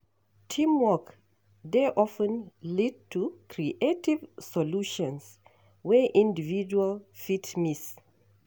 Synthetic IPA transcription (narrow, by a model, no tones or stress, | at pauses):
tʰĩmwɔk | deʔɔfə̃nlid̚tʰukʰɹiʔetivsɔluʃɔ̃ns | wɛʔĩndivid͡ʒualfitmis